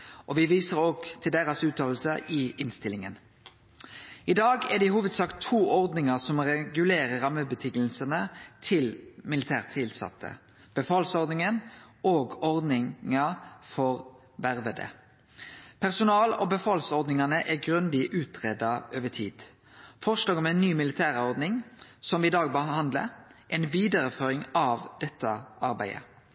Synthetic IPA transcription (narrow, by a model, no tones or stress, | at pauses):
ʔɔʋɪʋiːsəʁoːɡt̪ʰɪld̪æʁɑsʉːt̪ʰɑl̩səɪʔɪnst̪ɪlɪŋən | ɪd̪ɑːɡæd̪ihuːʋəd̪sɑːkt̪ʰːuːʔɔʁd̪nɪŋɑsɔmʁɛɡʉleːʁəʁɑmːəbət̪ʰʏŋəlsənət̪ʰɪlmɪlɪt̪ʰæːʁt̪ʰɪlsɑ̰t̪ːə̰ | b̥əfɑːlsɔʁd̪nɪŋənoːɡɔʁd̪nɪŋɑfɔʁ | ʋæʁʋəd̪ə̰ | pʰæʁsʊnɑːlɔ̰bəfɑːlsɔʁd̪nɪŋɑnəʔæɡʁʉnd̪ɪʔʉːt̪ʰʁeːd̪ɑøːʋətʰiːd̪̥ | fɔʁʂloːɡɔmɛɪnːyːmɪlɪt̪ʰæːʁɔʁd̪nɪŋsɔmʋɪd̪ɑːɡbəhɑnd̪lə̰ʔɛnʋiːd̪ɑʁəføːɾɪŋɑʋd̪̥ɛt̪ːəʔɑɾbæ̰ɪə̰